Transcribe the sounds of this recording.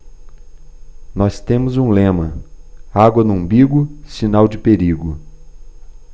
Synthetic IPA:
nɔst̪ẽmʊzũlẽmɐ | aɡwɐnʊũbiɡʊsinawd͡ʒɪpeɾiɡʊ

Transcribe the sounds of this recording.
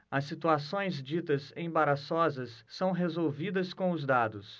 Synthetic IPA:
ɐsːit̪uasõj̃zd͡ʒit̪ɐsẽj̃baɾasɔzɐsːɐ̃w̃ɦezowvid̪ɐskõʊzd̪ad̪ʊs

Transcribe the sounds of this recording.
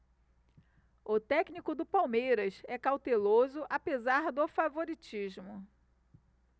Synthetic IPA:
ʊt̪ɛknikʊd̪ʊpawmejɾɐsɛkawt̪elozʊʔapezaɾd̪ʊfavoɾit͡ʃiʒmʊ

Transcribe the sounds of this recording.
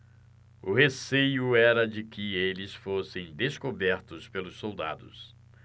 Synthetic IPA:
ʊhesejʊɛɾɐd͡ʒɪkɪelɪsfosẽj̃d̪eskobɛɾt̪ʊspelʊsːowd̪a̰d̪ʊ̰s

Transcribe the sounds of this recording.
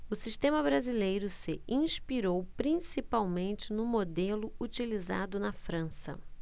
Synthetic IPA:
ʊsiʃt̪ẽmɐbɾazilejɾʊsɪĩspiɾowpɾĩsipawmẽnt͡ʃɪnʊmod̪elʊut͡ʃiliza̰d̪ʊnɐfɾɐ̃sɐ̰

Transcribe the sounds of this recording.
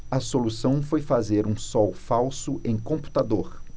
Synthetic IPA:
ɐsolusɐ̃w̃fojfazeɾũsɔwfawsʊʔẽj̃kõmpu̥t̪ad̪oɾ

